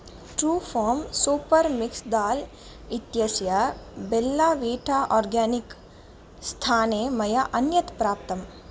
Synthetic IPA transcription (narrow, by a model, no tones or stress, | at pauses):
ʈɾuːfʰɔːɾmsuːpɐɾmɪksd̪aːl | ɪt̪jɐsjabelːaːʋiːʈʰaːʔɔːɾɡaːnɪk | st̪ʰaːnemɐjaʔɐnjɐt̪pɾaːp̚t̪ɐm